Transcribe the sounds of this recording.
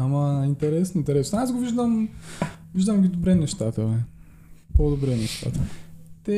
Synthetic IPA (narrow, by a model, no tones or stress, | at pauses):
amɐint̪ɛɾɛsnuint̪ɛɾɛsazɡoviʒd̪ɐm | viʒd̪amɡʲid̪obɾɛnɛʃt̪at̪ɐvɛ | pod̪obɾɛnɛʃt̪a̰t̪ɐt̪ɛ